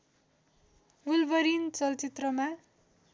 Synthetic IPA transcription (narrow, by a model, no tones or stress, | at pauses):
ulbʌɾint͡sʌlt͡sit̪rʌma